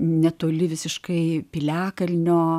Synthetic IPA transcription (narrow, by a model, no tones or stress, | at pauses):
nʲɛt̪oːlʲɪʋʲɪsʲɪʃkɐɪpʲɪlʲæːkɐlʲnʲoː